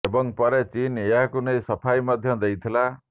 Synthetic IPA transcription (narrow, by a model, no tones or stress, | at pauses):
ebɔŋpɔɾet͡ʃineakunejsɔpʰajmɔd̪ʱjɔd̪ejt̪ʰila